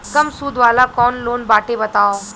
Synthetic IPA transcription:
kɐmsuːd̪ʋaːlakɔːnloːnbaːʈebɐt̪aːoː

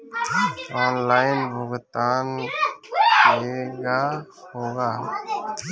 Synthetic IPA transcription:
ɔːnlaːɪnbʱʊɡt̪aːn | eːɡaː | hoːɡaː

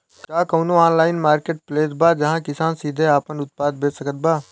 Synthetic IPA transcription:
kaːkoːnoaːnlaːɪnmaːɾkeːʈ̚pleːt̪baːd͡ʒɐɦãkɪsaːnsiːd̪ʱeaːpənʊt̪̚paːd̪̚beːsɐkət̪̚baː

